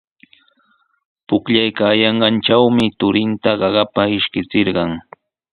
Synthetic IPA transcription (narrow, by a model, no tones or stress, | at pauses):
pʊkʎajkaːjɑɴɢɑnʈ͡ʂawmɪt̪ʊɾɪnt̪aɢɑɢɑpaɪʃkɪt͡sɪɾɢɑŋ